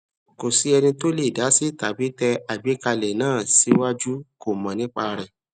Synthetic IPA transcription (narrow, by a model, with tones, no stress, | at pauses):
ko˨si˨˦ɛ˧nĩ˧to˦le˦˨da˨˦si˦˨ta˨bi˨˦tɛ˧a˨bi˨˦ka˧lɛ˨nãː˦˨si˨˦wa˦d͡ʒu˦ko˦˨mã˨nĩ˦k͡pa˧ɾɛ˨